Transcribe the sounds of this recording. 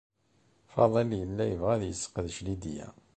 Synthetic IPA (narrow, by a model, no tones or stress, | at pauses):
fɑ̰ðˤəljəlːæjəvʁæðjəsːə̥qəðʃlid̪ijæ̰